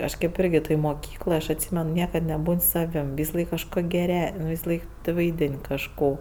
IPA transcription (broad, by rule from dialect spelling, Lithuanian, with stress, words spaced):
ˈɐʃ ˈkʲeːp ˈɪrʲɡʲɪ toːj moːˈkʲiːklˠoːj ɐʃ ɐtʲˈsʲiːmʲɛn ˈnʲiɛkɐt nʲɛˈbuːnʲ ˈsɑːʋʲɪm ʋʲɪsɐˈlˠɐɪk kɐʃkoː ɡʲɛˈrʲɛ ʋʲɪsɐˈlˠɐɪk ʋɐɪˈdʲɪnʲ kɐʃˈkoː